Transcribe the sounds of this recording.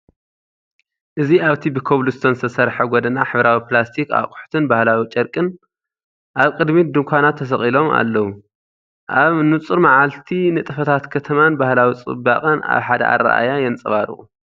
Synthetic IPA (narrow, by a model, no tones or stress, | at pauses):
ʔɨziaβt̪ʰibɨkʰoβlɨst̪ʰonzɨst̪ʰɐsɐɾħɐɡod̪ɐnaħɨβɾawiplast̪ʰika̰qʼʊ̥ħt̪ʰɨnbahlawit͡ʃʼɐɾkʼɨn | ʔaβkʼɨd̪mid̪ɨŋkʷʰanat̪ʰːɐsɐχʼilo̞ma̰lːɐwu | ʔaβnɨt͡sʼuɾmaʕalt̪ʰinɨt̪ʼɨfɐt̪ʰat̪kʰɐt̪ʰɐmanbahlawit͡sʼɨ̰bakʼɨna̰βħad̪ɐ̰ʔa̰ɾɐ̰ʔa̰jajɛnt͡sʼɨβaɾɨ̰u